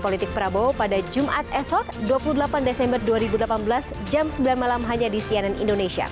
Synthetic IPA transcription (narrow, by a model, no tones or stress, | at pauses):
polit̪ɪk̚pəɾabopadad͡ʒumʔat̪ɛsɔk̚duapuludəlapandesɛmbərduaɾibudəlapanbəlas | d͡ʒamsəmbilanmalamɦaɲadisiananḭndonesia̰